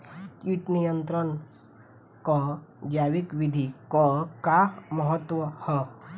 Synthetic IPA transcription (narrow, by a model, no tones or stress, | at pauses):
kiʈnijənt̪ɾən | kɔd͡ʒaʋikʋid̪ʱikɔkaməɦət̪ʋɔhɔ